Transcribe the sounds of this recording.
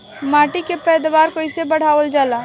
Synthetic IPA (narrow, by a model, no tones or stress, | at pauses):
maːʈikepɛːd̪waːɾkoɪsebəɽ̤aːʋəld͡ʒaːlaː